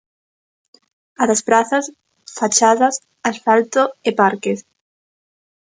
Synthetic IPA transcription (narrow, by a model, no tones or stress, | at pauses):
aðaspɾaθas | fat͡ʃaðɐs | asfalt̪oepaɾkes